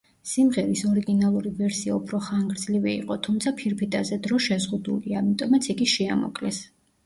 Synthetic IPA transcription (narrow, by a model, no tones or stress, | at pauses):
simʁɛɾisɔɾiɡinalˠuɾivɛɾsia̰upʰɾɔχaŋɡɾd̪zliviḭqʼɔt̪ʰumt̪sʰapʰiɾpʰit̪ʼazɛd̪ɾɔʃɛzʁud̪ṵliamit̪ʼɔmat̪sʰiɡiʃɛamɔ̰kʼlɛs